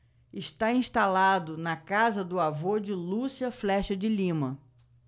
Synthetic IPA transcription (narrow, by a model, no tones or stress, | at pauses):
ɪʃt̪aĩʃt̪alad̪ʊnɐkazɐd̪ʊavod͡ʒɪlusiɐflɛʃɐd͡ʒɪlĩmɐ